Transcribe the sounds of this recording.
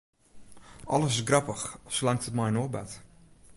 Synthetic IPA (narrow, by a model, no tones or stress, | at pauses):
ɑlˠəsɪsɡrɑpəxslɑŋtətmajnobɛt